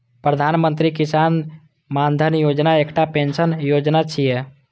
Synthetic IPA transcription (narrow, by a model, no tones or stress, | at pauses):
pɾəd̪ʱanmənt̪̬ɾikisan | mand̪ʱənjod͡ʒnaekʈapensənjod͡ʒnat͡ʃʰijɛ